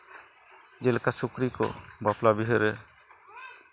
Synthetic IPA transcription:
d͡ʒelkasukɾikɔ̰baplabiɦɔɾɛ

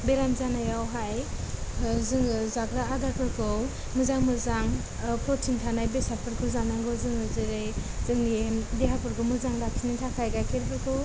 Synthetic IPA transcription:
beɾamzanajawɦaj | zɯŋzaɡɾaːɡakʰɯɾkʰɔw | mɯzaŋmɯzaŋ | pʰɔtʰintʰanajbesaɾpʰɯɾkʰɯzanaŋɡɯzɯŋɯzɯɾejzɯŋemdeɦapʰɯɾkʰɯmɯzaŋlak̚sʰinitʰakʰajɡajkʰeɾpʰɯɾkʰɯw

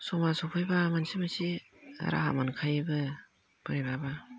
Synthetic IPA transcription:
sɔmasɔpʰɔjbamansimasḭ | ɾa̰ɦa̰mankʰajbɯ | b̥ɯɾebaba

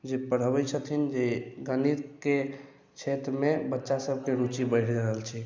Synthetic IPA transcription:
d͡ʒepəɽ̤əbɛt͡ʃʰət̪ʰind͡ʒeɡənit̪ke | t͡ʃʰet̪ɾmebətːʃasəb̚ʱkeɾut͡ʃibəɪɾd͡ʒaɾəɦəlt͡ʃʰi

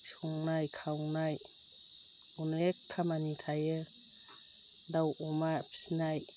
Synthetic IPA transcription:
sɔŋnajkʰawnaj | unekʰːamanitʰajɯ | dawɔmapʰi̥snaj

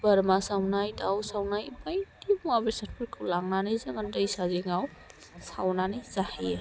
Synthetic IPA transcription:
b̥əɾmasawnajdawsawnajbajdimuabesatpʰɯɾkʰuwlaŋnanɯjzaŋadəjsaziŋaw | sawnanɯjzahij

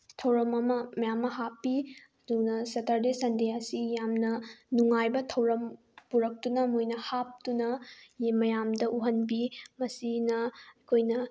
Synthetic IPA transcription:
tʰɐwɾɐmɐmɐmɐjamːɐɦapːiɐdunɐsɐtʰɐɾdesɐndeɐsijamnɐnuŋajbɐtʰɐwɾɐm | puɾɐk̚tunɐmujnɐhap̚tunɐjmɐjamdɐʔuɦɐnbimɐsinɐɐkʰojnɐ

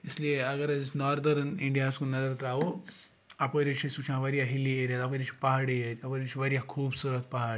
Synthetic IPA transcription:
islieɐɡɐɾɐd͡ʒisnɔːɾd̪ɐɾniɳɖijaːskunɐzɐɾt̪aːʋo | ɐpəɾit͡ʃʰisut͡ʃʰãʋɐɾijaɦilieɾjat̪ɐpəɾit͡ʃʰi̥pɐɦaɽijɐt̪ʰɐpəɾit͡ʃʰiʋɐɾijakʰuːbsuɾət̪̚pɐɦaːɾ

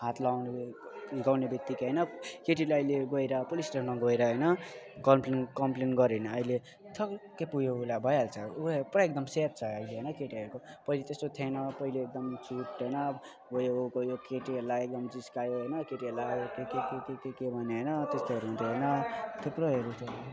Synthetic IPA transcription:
ɦat̪lawneɡawnebjʌk̚t̪ikɦʌjnʌkeʈ̬ilaʌjleɡʌjɾʌpolisʈepʰmʌɡʌjɾʌɦʌjnʌ | kʌmplenkʌmplenɡʌɾenʌːjle | t̪ʰʌkkepujoulabʱʌjɦalt͡sʰʌuprʌek̚d̪ʌmsep̚t͡sʰʌʌjleɦʌjnʌkeʈiɦʌɾukopʌilet̪est̪ot̪ʰenʌpʌileek̚d̪ʌmt͡sʰuʈɦʌjnʌ | bojookojokeʈiɦelaek̚d̪ʌmd͡ziskajoɦʌjnʌkeʈielaokekekekekekebʱʌneɦʌjnʌt̪est̪oɦʌɾuɦũnt̪ʰeɦʌjnʌt̪ʰekɾʌeɾut̪ʰo

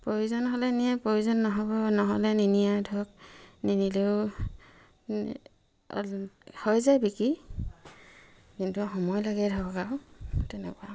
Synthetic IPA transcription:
pɹojuzɔnɦɔlɛnijapɹojuzɔnːɔɦɔbɔnɔɦɔ̰lɛninijadʱɔk̚ninileʊ | hɔjzajbiki | kintuɦɔmɔjlaɡɛdʱaɔɡawtɛnɛ̰kwa

